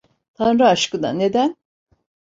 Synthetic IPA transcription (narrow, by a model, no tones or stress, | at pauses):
t̪ʰanɾaaʃkɯd̪a̰ned̪æn